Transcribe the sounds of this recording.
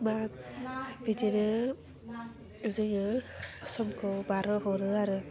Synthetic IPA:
makbid͡ʒiɾɯ | ɯzɯŋɯsɔmkʰɯbaɾɯɦɔɾɯaɾɯ

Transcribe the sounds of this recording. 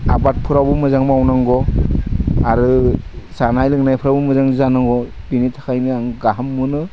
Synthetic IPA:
abat̚pʰɯɾabɯmɯzaŋmawnaŋɡɔ | aɾɯsanajlɯŋnajpʰɯɾabɯmɯzaŋzanaŋɡɔ | binitʰḁkʰajnɯaŋɡaɦamːɯnɯ

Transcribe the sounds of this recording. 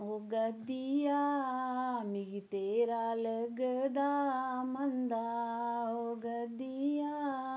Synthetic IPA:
oɡɐd̪ija | miɡit̪eɾaːləɡəd̪aːmɐnd̪a | oɡɐd̪ija

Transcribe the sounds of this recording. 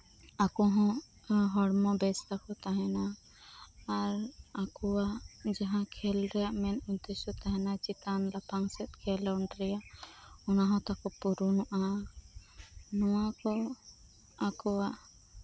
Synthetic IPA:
akɔɦɔ̃ | ɦɔɽmɔbɛst̪akɔt̪aɦɛnaː | ɾakɔwad͡ʒaɦãkʰɛlɾɛjaʔmɛnunt̪ɛsɔt̪aɦɛnat͡ʃit̪anlapaŋsɛt̪̚kʰɛlɔɔɳɖɾɛjaʔɔnaɦɔ̃t̪akɔpuɾunuʔa | nɔwakɔ | akɔwa

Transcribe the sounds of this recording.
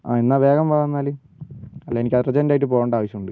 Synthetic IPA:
a̰ːenːaːʋe̞ːɡɐmʋaːɣɐnːaːlɨ | ɐlːeːenikʲːɐðɨrɐt͡ɕɐndaːjʈ̬ːɨpoːɣoːɳɖaːʋɐɕjɐmuɳɖɨ

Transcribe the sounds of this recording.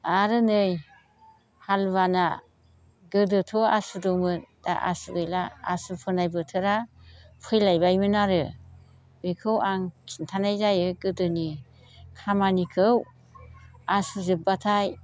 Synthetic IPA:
aɾɯnɯj | halβana | ɡɯdɯtʰɔa̰sudɔmɯd̥a̰ʔa̰suɡɯjlaasupʰɯnajbɯtʰɯɾapʰɯjlajbajmɯnaɾɯ | bekʰɯwaŋkʰintʰanajzajɯɡɯdɯni | kʰamanikʰɯw | asuzɯp̚batʰaj

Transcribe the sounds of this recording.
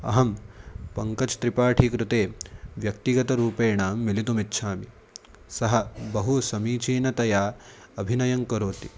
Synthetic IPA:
ɐ̰ɦɐmpɐŋkɐt͡ʃt̪ɾipaːʈʰikɾut̪eːʋjɐkt̪iɡɐt̪ɐɾuːpeːɳaːmːilit̪umitːʃʰaːmi | sɐɦɐbɐɦusɐmiːt͡ʃiːnɐt̪ɐjaː | ɐbʱinɐjɐŋkɐɾoːt̪i

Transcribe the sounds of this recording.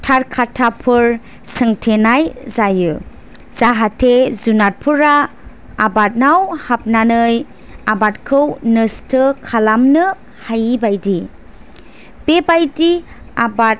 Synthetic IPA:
tʰaɾkʰatʰapʰɯɾ | sɯŋtʰenajzajɯ | z̥aɦatʰezunat̚pʰɯɾaː | bat̚nawhap̚nanɯj | abatkʰɯwnɯstʰɯkʰalamnɯ | hajibajdi | bebajdi | abat̚

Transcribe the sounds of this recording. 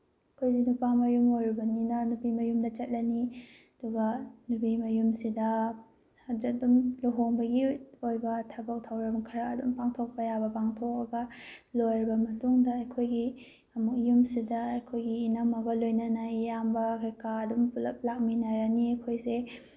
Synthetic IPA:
ɐkʰojsenupamɐjumojɾibɐninɐnupimɐjumdɐt͡ʃɐt̚lɐniɐduɡɐnupimɐjumsidɐ | ɐd͡ʒɐk̚dumluɦoŋbɐɡiojbɐtʰɐbɐk̚tʰawɾɐmkʰɐɾaːdṵmpaŋtʰok̚pɐjabɐpaŋtʰok̚ɐɡɐlojɾibɐmɐtuŋdɐːjkʰojɡi | ɐmuk̚jumsidɐɐjkʰojɡiːnɐmɐɡɐlojnɐnajambɐkʰajkaɐdumpulɐp̚lak̚minaɾaniɐjkʰojse

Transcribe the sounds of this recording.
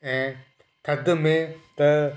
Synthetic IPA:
ɛ̃ː | kʰɐd̪mẽt̪ɐ

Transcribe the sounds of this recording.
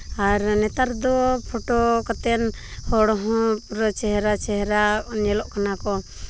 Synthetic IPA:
aɾnɛt̪aɾd̪ɔpʰɔʈɔkat̪ɛnhɔɽɔɦɔ̃pɾɔt͡ʃɛɦɾat͡ʃɛɦɾanɛlɔʔkanakɔ

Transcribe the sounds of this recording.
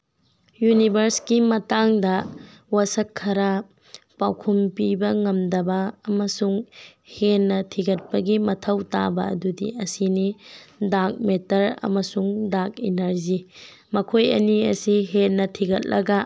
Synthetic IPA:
junibʱɐɾskimɐtaŋdɐ | wɐsɐkʰːɐɾɐ | pawkʰumpibɐŋɐmdɐbɐːmɐsuŋhenːɐtʰiɡɐt̚pɐɡimɐtʰɐwta̰bɐɐ̰dudḭɐsinidak̚metɐɾɐ̰mɐsuŋdakinɐɾzi | mɐkʰojɐ̰niɐ̰siɦenːɐtʰiɡɐt̚lɐɡɐ

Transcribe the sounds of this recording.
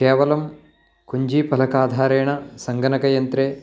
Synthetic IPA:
eːʋɐlɐm | kuɲd͡ʒiːpɐlɐkaːd̪ʱaːɾeːɳɐsɐŋɡɐnɐkɐjɐnt̪ɾeː

